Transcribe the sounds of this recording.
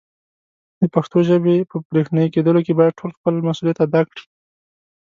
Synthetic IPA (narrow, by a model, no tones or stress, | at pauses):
d̪̥əpaxt̪oʒəbepəbɾexnɑjiked̪əlokebɑjad̪̚ʈʰolxpəlmasulijat̪ad̪ɑkɽi̥